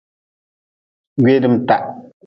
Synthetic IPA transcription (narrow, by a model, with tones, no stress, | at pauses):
ɡɥe˦dɨ˨m̩˨ta˦˨ʔ